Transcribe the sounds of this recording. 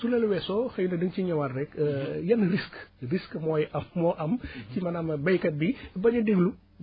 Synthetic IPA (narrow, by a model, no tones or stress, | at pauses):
sulɛluwɛsɔxɐjunɐdəŋciɲɐwɐrːɛkːjɐnriskriskmɔːjʔɐmːɔʔɐmcimɐnɐmɐbɐjkɐt̚bibɐɲɐdeɡlu